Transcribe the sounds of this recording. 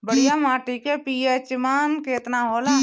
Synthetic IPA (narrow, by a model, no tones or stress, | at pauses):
bəɽijamaːʈikepijet͡ʃɪmaːnkeːt̪naɦoːlaː